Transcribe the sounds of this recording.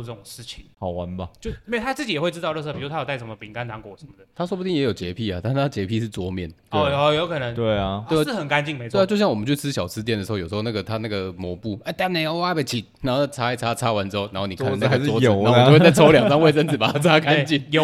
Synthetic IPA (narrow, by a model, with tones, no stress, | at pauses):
ʈ͡ʂə˥˩ʊ˨˩ŋʂɻ̩˥˩t͡ɕʰi˨˩ŋɑ˨˩ʊwa˧˦nbɐ˧˨t͡ɕjo˥˧ʊi˥we˨˩t̪ʰa˥t͡sɹ̩˥˩t͡ɕi˨jɛ˨˩xwe˥˧ʈ͡ʂɻ̩˥t̪ɑ˥˧lɤ˥˧s̬pi˨˧˥a˥jta˥˩ʂə˧˥˩mə˧pi˨˩ŋka˥nt̪ʰa˧˥ŋkwɔ˨˩ə˧˦mə˨d̪ə˩t̪ʰa˥ʂ̬wbu˥t̪i˥˩jɛ˧˥jo˨˩ʊt͡ɕjɛ˧˥pʰi˥˩a˨˩a˥˩n̩ʰ˥˩a˥˨˩t͡ɕjɛ˧˥pʰi˥˧ʂɻ̩˥˩t͡swɔ˧˥mjɛ˥˩nɔ˧˩˧jo˧˥ʊkʰɤ˨˩nə˧˦ŋt̪we˥˩˨e˥˩˥ʂ̩˥˩xə˨˩nka˧˥nt͡ɕi˥˩ŋme˧˥˦we˥˩˧t͡ɕjɕjɑ˥˩wɔ˨mə˦t͡ɕʰy˥˩t͡s̩ʰ˥ɕjɑ˨˩ʊt͡sʰɹ̩̬˥jɛ˥˩ndə˩ʂɻ̩˧˥˩jo˨˩˧o˥˧na˥˩ɡə˩t̪ʰa˥na˥˩ɡə˨˩mwɔ˧˥pu˥˩a˥˩ɪt̪a˥˩ne˨˩jɑ˥ʊwa˥bə˨˩t͡ɕʰi˨˩na˨˦nxo˥˧nʰ˥˩a˥a˥˩ɪt͡sʰa˥t͡sʰa˥wa˧˦nʈ͡ʂ̩˥o˥˧na˧˥nxo˥˩ni˨˧˨na˥˧ka˥˩˥wɔ˥˨˥t͡sa˥˩ɪt͡sʰo˧˥ljɑ˨˩ŋt͡sɑ˥˦ŋwe˥ɪsə˥nt͡s̩˨˩pa˨˩a˥t͡sʰa˥ka˦nt͡ɕi˥˩no˨